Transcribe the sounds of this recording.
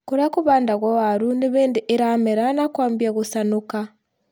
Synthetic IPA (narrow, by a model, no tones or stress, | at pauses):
kuɾakuβaːndaɣwawaɾuniβeːndiʔeɾameɾanakwaːmbjaɣusanuka